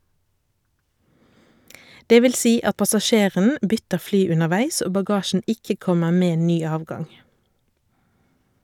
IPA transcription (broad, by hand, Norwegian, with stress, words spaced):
ˈdeː ˈʋɪl ˈsiː ˈɑt pɑsɑˈʃeːʁən ˈbʏtəʁ ˈflyː ʉnəʁˈʋæɪs ˈoː bɑˈɡɑːʃn̩ ˈɪkə ˈkɔməʁ ˈmeː ˈnyː ˈɑːʋɡɑŋ